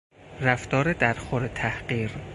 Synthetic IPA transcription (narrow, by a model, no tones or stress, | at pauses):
ræft̪ɒːɾed̪æɾxoɾet̪ʰæhɢiːɾ